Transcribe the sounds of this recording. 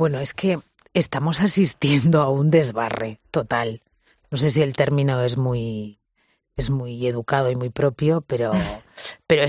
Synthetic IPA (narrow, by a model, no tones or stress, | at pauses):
bwe̞noe̞ske̞ː | st̪amo̞sasist̪je̞nd̪oaund̪e̞zβa̰re̞t̪o̞t̪al | nos̬e̞s̬ie̞lt̪e̞ɾmĩnoe̞zmuj | ezmuje̞ð̞ukaðo̞imujpɾo̞pjo̞peɾope̞ɾoe